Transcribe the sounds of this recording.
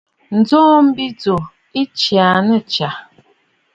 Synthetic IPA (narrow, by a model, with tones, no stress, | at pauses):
n̩˨d͡zɔː˦m̩˦bi˦d͡zo˨ | i˦t͡ʃja˨nə˦t͡ʃa˨